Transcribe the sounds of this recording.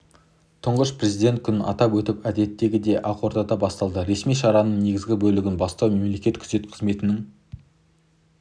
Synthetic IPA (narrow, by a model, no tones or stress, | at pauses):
t̪ʰʊɴʁəʃpre̞zijd̪ʲe̞nt̪̚kʲʰʏnɑ̰t̪ɑpwɵt̪ɪpæd̪e̞t̪ːe̞ɡʲɪd̪e̞ʔɑqo̞ɾd̪ɑd̪ɑbɑst̪ɑlˠd̪əɾe̞smijʃɑɾɑnəɴne̞ɡʲɪzɡʲɪbɵlɪɡʲɪnbɑst̪ɑwme̞mle̞kʲe̞t̪kʲʰʏ̥z̥e̞t̪qʰəzme̞t̪ɪnɪŋ